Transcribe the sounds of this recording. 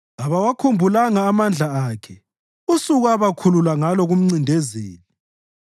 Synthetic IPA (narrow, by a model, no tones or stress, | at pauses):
aβawakʰumbʱulaŋaːmand͡ɮʱaaːkʰɛ | usuɣuaβakʰululaŋalɔɣum̩ŋ͡ǀindʱɛzḛːni